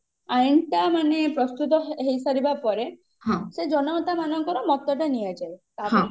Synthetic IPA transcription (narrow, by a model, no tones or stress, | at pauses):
ajɳʈamanepɾɔst̪ut̪̬ɔɦejsaɾibapɔɾe | ɦãsed͡ʒɔnɔɔt̪amanɔŋkɔɾɔmɔt̪ɔʈanijad͡ʒaet̪aɔ̃